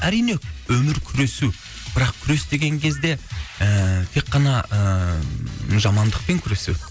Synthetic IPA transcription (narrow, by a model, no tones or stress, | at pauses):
æɾijne̞wɵmɪɾkʲʰʏɾe̞su | b̥ɪɾɑqkʲʰʏɾe̞st̪e̞ɡʲe̞ŋkʲʰe̞zd̪e̞ət̪ʰe̞kːɑnɑə | ʒɑmɑnd̪əq̚pe̞ŋkʲʰʏɾe̞su